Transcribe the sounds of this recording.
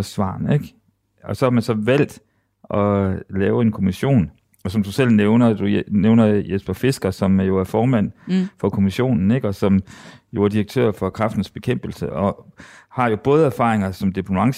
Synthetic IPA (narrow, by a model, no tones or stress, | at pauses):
ɒsʋɑ̰̈ːneɡ̥ | ɒ̽sɒ̽hɑ̈mænsɒ̽ʋæl̰d̥ | ʔɒ̽lɛːʊəe̝nkʰo̝miɕo̝̰ːn | ɒ̽sɒ̽md̥usel̰neʊnɐd̥uneʊnɐjesb̥ɐfe̝sɡ̥ɐsɒ̽mæjo̝æɐfɒːmæn̰fɒ̽kʰo̝miɕo̝̰ːnn̩e̝ɡ̥ɒ̽sɒ̽mjo̝æɐd̥iʁɐɡ̥̚t͡sʰø̰ɐfɒ̽kʰʁɑfd̥n̩sb̥e̝kʰem̰b̥l̩səʔɒ̽hɑ̈jo̝b̥ɔːð̞ˠəæɐfɑ̰̈ːʁeŋɐsɒ̽md̥ipʰnuɑ̈ŋs